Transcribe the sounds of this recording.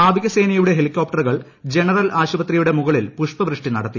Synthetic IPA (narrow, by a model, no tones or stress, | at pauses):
aːb̪ʱiɣɐse̞ːnɐjuɽe̞ɦe̞likʲːo̞ːp̚ʈɐrɣɐɭ | d͡ʑe̞nɐrɐlʔaːɕubɐt̪rijuɽe̞muɣɐɭilpuʂpɐʋɾɨʂʈinɐ̰ɽɐt̪ːi